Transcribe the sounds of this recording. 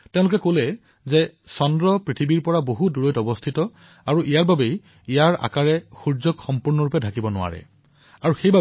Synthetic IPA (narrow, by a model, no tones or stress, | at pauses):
tẽʊ̃lʊkɛkolɛ | zɛsɔndɹɔpɹitʰibiɹpɔɹaboɦuduɹojtɔbɔstʰitɔ | aɹuʔijaɹbabej | ijaɹa̰kaɹɛxuɹzɔkxɔmpuɹnɔɹʊpɛdʱakibɔnʊ̰a̰ɹɛ̰ | aɹuxejba